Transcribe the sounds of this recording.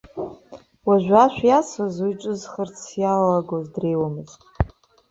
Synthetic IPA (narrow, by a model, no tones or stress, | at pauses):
waʒᶣʷaʃʷᶣjasazujʈ͡ʂʼɨzχərt͡sʰjalaɡozdre̞jwamɨztʼ